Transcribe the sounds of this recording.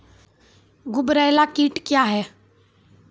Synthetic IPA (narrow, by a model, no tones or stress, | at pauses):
ɡʊbɾajlakiːʈkjaɦɛː